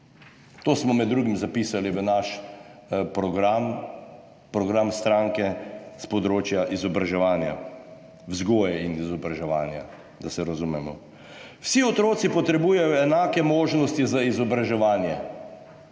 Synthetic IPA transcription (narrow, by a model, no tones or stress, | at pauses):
t̪oːsmɔmɛd̪ːɾuːɡimzapiːsaliʋənaʃ | pɾɔɡɾam | pɾɔɡɾamst̪ɾaːŋkɛspɔd̪ɾoːt͡ʃjaʔizɔbɾaʒɛʋaːnja̰ | wzɡoːjɛinizɔbɾaʒɛʋaːnja̰ | d̪asɛɾazumɛmɔ̰ | wsiɔt̪ɾoːt̪sipɔt̪ɾɛbuːjɛjɔɛnaːkɛmoːʒnɔst̪izaizɔbɾaʒɛʋaːnjɛ